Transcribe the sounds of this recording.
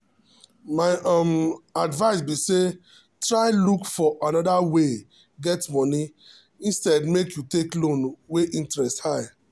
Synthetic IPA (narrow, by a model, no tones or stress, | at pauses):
maɪɔ̃madvaɪs̬bise | tɹaɪlukfɔʔanɔdawe | ɡɛtmɔni | ĩnstɛdmekjuteklõnweʔĩntɹɛsthaɪ